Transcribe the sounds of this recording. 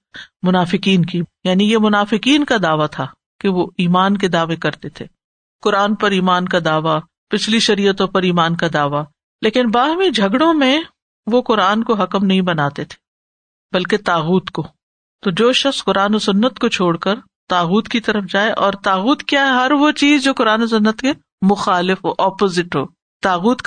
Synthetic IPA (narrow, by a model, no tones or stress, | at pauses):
mʊnaːfɪqiːnkijaːnijemʊnaːfɪqiːnkad̪aːʋat̪ʰa | keʋoʔiːmaːnked̪aːʋekɐɾt̪et̪ʰḛː | kʊɾaːnpɐɾiːmaːnkad̪aːʋa | pɪt͡ʃʰliʃɐɾiːət̪õpɐɾiːmaːnkad̪aːʋa | leːkɪnbaːɦmĩd͡ʒʱɐɡɽ̃õmẽ | ʋokʊɾaːnkoɦɐkəmnɐɦĩbɐnaːt̪et̪ʰe̥ː | bɐlket̪aːɣuːt̪ko | t̪od͡ʒoːʃɐxsqʊɾaːnosʊnːət̪kot͡ʃʰoːɽkɐɾ | t̪aːɣuːt̪kit̪ɐɾəfd͡ʒaːeʔɔːɾt̪aːɣuːt̪kjaːɦɛɦɐɾʋot͡ʃiːzd͡ʒoːkʊɾaːnos̬ʊnːət̪ke | mʊxaːlɪfɦoːʔɔːpozɪʈɦoː | t̪aːɣuːt̪k